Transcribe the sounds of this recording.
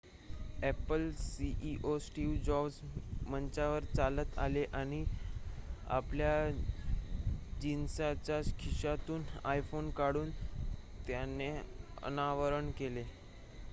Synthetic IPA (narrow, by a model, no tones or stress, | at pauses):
epəlsiʔiʔosʈiʋd͡ʑɔbsmənt͡ɕaʋəɾt͡salət̪a̰leʔaɽ̃i | a̰plja | d͡ʑinsat͡ɕakʰiɕat̪uːnajfonkaɽuːnt̪janːeə̰naʋəɾəɳkele